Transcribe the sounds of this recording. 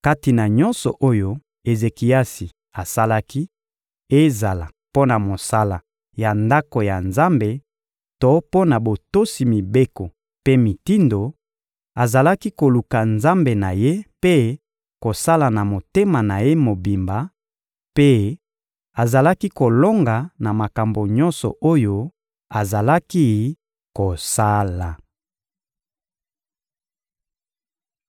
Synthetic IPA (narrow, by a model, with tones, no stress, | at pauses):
ka˦ti˨na˨ɲɔ̃˦nsɔ˨ʔo˦jo˦ | e˨ze˨ki˨a˦si˨ | a˨sa˦la˦ki˦ | e˦za˨la̰˨ | po˦na˨mo˨sa˦la˨ | ja˨nda˦ko˨ja˨nza˦mbe˨ | to˦po˦na˨bo˨to˦si˨mi˨be˦ko˨ | pe˦mi˨ti˦ndo˨ | a˨za˨la˦ki˦ko˨lu˨ka˨nza˦mbe˨na˨je˦pe˦ | ko˨sa˦la˨na˨mo˨te˦ma˨na˨je˦mo˨bi˨mba˨ | pe˦ | a˨za˨la˦ki˦ko˨lo˦ŋɡa˨na˨ma˨ka˨mbo˨ɲɔ˦nsɔ̰˨ʔo˦jo˦ | a˨za˨la˦ki˦ | ko˨sa˦la˨